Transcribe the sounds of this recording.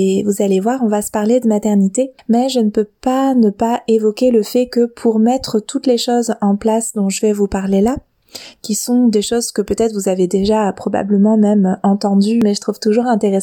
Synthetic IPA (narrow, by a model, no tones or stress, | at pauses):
evuzalevwaʁɔ̃vasə̥paʁled̪əmat̪ɛʁnit̪emɛʒənəpøpanəpaevɔkʲeləfɛkəpʰuʁmɛt̪χət̪ut̪leʃozɑ̃plasd̪ɔ̃ʒəvɛvupaʁlela | kʲisɔ̃d̪eʃozkəpøt̪ɛt̪χvuzaved̪eʒapχɔba̰bləmɑ̃mɛmøɑ̃t̪ɑ̃d̪ymɛʒət̪χuvt̪uʒuʁɛ̃t̪eʁes